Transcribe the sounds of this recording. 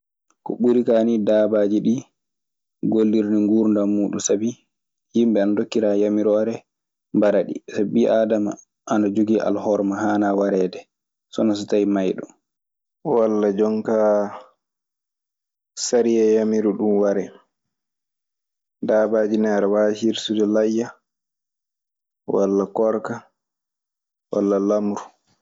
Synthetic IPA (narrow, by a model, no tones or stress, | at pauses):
kɔɓuɾikanidaːbad͡ʒiɗi | ɡolːiɾniŋɡuːɾndamuːɗṵsabi | jimbɛanadokːiɾajamiɾɔwaɾɛ | mbaɾaɗḭsabiʔaːdama̰ | ʔanad͡ʒoɡiʔa̰lhɔɾmahaːnawaɾɛːdɛ | sɔnas̬ɔtajmajɗɔ | walːad͡ʒɔŋka | saɾijɛjamiɾuɗumwaɾɛ | dabaːd͡ʒinaɾɛwaːhiɾsudɛlajːa | wa̰lːakɔɾka | wa̰lːalamɾu